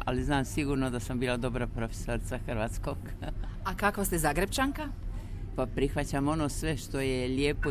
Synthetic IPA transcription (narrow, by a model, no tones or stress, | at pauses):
a̰liznaːmsiɡuːɾnod̪asambiːlˠad̪o̞bɾapɾofe̥soɾit̪saxəɾʋat̪skoɡakakʋast̪ezaɡɾept͡ʃaŋka | papɾixʋat͡ɕamo̞noːsʋe̞ʃt̪o̞jeljeːpo